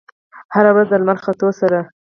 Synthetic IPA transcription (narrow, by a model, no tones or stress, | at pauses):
haɾawɾazd̪əlmanxat̪osaɾa